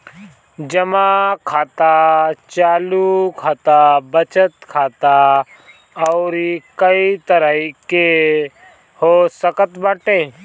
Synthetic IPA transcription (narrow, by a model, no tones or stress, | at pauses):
d͡ʒɐmakʰaːt̪at͡ʃaːlukʰaːt̪abət͡ʃət̪kʰaːt̪a | ɔːɾikəit̪əɾəike | hoːsəkət̪baːʈẽː